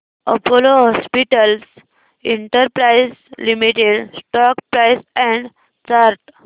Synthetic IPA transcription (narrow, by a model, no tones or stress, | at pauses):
ə̰poloɦɔspiʈəls | iɳʈəɾpɾaislimiʈeɽsʈɔkpɾajsɛ̃ɳɖ | t͡ɕaɾʈ